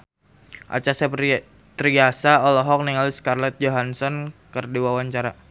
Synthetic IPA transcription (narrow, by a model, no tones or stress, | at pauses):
ʔa̰t͡ʃasɛp | t̪ɾiɡasaɔlɔɦɔk̚niŋaliskarlɛt̪̚d͡ʒoɦansɔnkərdiwawaɲt͡ʃaɾa